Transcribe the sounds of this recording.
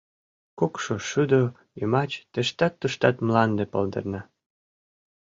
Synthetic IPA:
kokʃoʃyd̪o | jømɑt͡ɕt̪ĕʃt̪ɑt̪ːuʃt̪ɑt̪mlɑnd̪epɤ̰ld̪ɤ̰rnɑ

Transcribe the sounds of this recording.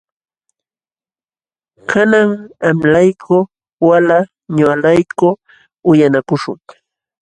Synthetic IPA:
kʰanaŋamlajkʰʊ | wala | ɲalajkʊ | ʊjanakʊʃʊ̰ŋ

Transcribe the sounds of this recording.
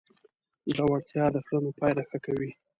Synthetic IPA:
ʒawaɽt̪jɑd̪əxɽənopɑjɾaxakawi

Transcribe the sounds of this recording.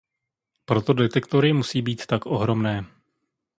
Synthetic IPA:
pɾo̞t̪o̞dɛt̪ɛkt̪oɾɪmusiːbiːt̪ːakʔo̞ɦɾo̞mnɛː

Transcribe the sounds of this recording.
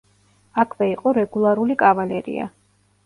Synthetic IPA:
akʰvɛiqʼɔɾɛɡulˠaɾulikʼavalɛɾḭa̰

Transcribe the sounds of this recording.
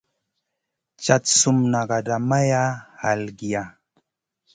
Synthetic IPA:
t͡ʃat̪sʊmnaɢɑdamajaalɡija

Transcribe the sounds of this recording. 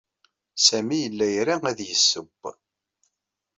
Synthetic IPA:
sæmijəlːæjɾææðjəsːəb

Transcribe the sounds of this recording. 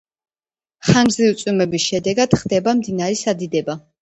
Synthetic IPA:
χanzit̪sʼwimɛbisʃɛd̪ɛɡad̪̥χd̪ɛbamd̪inaɾɛsad̪id̪ɛba

